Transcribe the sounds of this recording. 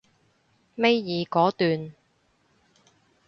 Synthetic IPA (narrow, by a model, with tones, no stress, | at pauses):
me˥jjiː˨˧kɔː˨˥t̪yː˨n